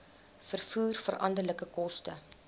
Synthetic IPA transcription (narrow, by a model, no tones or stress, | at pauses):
fərfuːrfərɐ̰ndərləkəkɔstə̰